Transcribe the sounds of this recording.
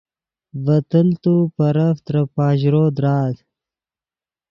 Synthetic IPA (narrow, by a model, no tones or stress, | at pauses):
vɐt̪əlt̪upɐɾɐft̪ɾɐpɑːʑɾoːd̪ɾɑːt̪